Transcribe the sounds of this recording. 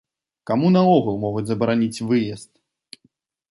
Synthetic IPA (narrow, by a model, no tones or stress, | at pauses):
kamunɐɔɣulˠmɔɣud͡zʲzɐbɐɾanʲit͡sʲvɨjɛst̪̚